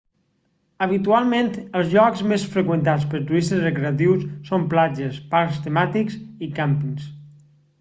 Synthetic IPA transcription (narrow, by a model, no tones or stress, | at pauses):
əβ̞it̪ualˠment̪əlˠzʎɔkzmesfɾəkwənt̪at͡spəɾt̪uisəzrəkɾeət̪̬iwsːomplad͡ʒəspaɾst̪əmat̪iksikampiŋs